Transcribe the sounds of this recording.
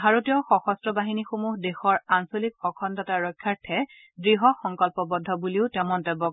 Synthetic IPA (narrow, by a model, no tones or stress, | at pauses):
bʱaɹotijɔxɔxɔstɹɔbaɦinixomuɦdexɔɹansolik̚ɔkʰɔntɔtaɹɔjkʰːaɹtʰːɛ | dɹiɦɔxɔŋkɔlpɔbɔdʱːɔbuliʊtɛmɔntɛbɔ